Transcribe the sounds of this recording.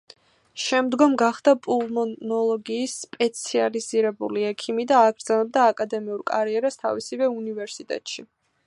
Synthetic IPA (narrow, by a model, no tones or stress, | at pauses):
ʃɛmd̪ɡɔmɡaχd̪apʼulˠmɔnɔlˠɔɡiːsːpʼɛt̪sʰializiɾɛbṵliɛkʰimid̪aːɡɾd̪zanɛb̚d̪aːkʼad̪ɛmiuɾkʼaɾiɛɾast̪ʰa̰visivɛunivɛɾsit̪ʼɛ̰t̪ʼʃi